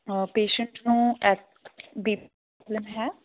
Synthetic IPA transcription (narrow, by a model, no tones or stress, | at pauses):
peːʃə̃ɳʈnũːɛʈ | biː | ɔːbləmɦɛː